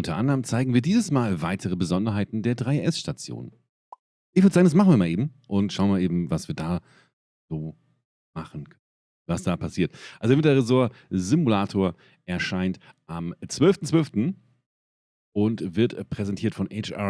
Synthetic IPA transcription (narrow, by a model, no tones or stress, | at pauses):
ʔʊntɐʔandəʁəmt͡saɪɡŋ̩viːɐdiːzəsmaːlvaɪtʰəʁəbəzɔndɐɦaɪtn̩deːɐdʁaɪʔɛsʃtat͡sjo̰ːn | ʔɪçv̥ɪɐdəzaːɡŋndasmaχn̩viːɐmaːlʔeːbm̩ʔʊntʃaʊnmalʔeːbm̩vasviːɐdaː | z̥oː | maχən̩kʰ | vasd̥aːpʰasiːɐtʔalzomɪtɐʁɛzoːɐzimulaːtʰoːɐ | ʔɛɐʃaɪntʔamt͡sv̥œlftn̩t͡sv̥œlftn̩ | ʊntv̥ɪɐtpʁ̥ɛzɛntʰiːɐtfɔnʔɛɪt͡ʃa̰